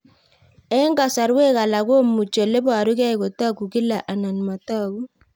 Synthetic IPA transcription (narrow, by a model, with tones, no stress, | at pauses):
ɛ˦ŋɡa˨sa˨ɾwe˦ka˨la˨ko˦mu˨t͡ʃo˨le˦ba˨ɾu˦kɛ˦i˨ko˨ta˦ku˨ki˦la˨ʔa˨na˨nma˨tɔ˦ku˦